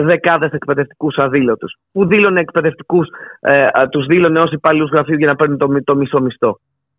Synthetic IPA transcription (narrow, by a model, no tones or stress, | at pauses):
ðe̞kɐðe̞se̞kpe̞ðe̞ft̪i̥kusɐðilo̞t̪uspuðilo̞ne̞ːkpe̞ðe̞ft̪i̥kus | t̪uzðilo̞neo̞sipɐliuzɣɾɐfiuʝɐnɐpe̞ɾnet̪omt̪o̞miso̞mist̪o̞